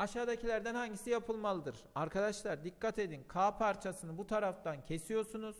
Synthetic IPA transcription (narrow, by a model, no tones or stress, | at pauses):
aʃaːd̪acʰilʲæɾd̪ænhaɲɟisijapʰɯlˠmalˠɯd̪ɯɾ | aɾkʰad̪aʃlˠaɾd̪ikːat̪ʰe̞d̪inkʰaːpʰaɾt͡ʃʰasɯnɯbut̪ʰaɾaft̪ancʰe̞sijo̞ɾsunuz̥